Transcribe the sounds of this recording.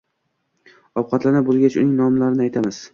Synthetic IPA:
ɒw̚qʰɑt̪lanabozɡʲat͡ʃʊ̰nɪŋnɒmlaɾɪnɪajt̪ʰamɪz̥

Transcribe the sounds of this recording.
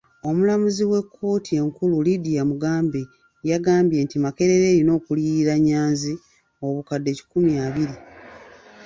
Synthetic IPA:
o̞mulamuziwe̞kʰːo̞ːtʰie̞ŋkululidijamuɡaːmbe | jaɡaːmbje̞ːntimake̞ɾe̞ɾe̞ɾino̞ːkuliiɾaɲːaːnzi | oβukadːe̞ci̥kumjaːβiɾi

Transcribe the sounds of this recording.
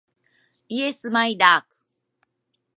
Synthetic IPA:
iesɨmaid̪aːkɯ̥

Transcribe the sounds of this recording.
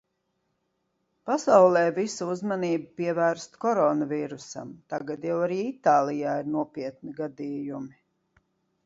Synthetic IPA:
pasawlˠɛːvisuuzmaniːbupiɛvæːɾst̪kɔɾɔnaviːɾusa̰mt̪aɡad̪jawaɾiːit̪aːlˠijaːiɾnuɔpiɛt̪̚niɡad̪iːjumi

